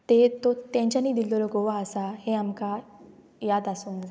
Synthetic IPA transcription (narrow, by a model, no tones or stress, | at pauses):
t̪et̪ot̪ɛ̃ɲt͡ɕanĩd̪ild̪oloɡoʋaəsahẽamka | jaːd̪asonza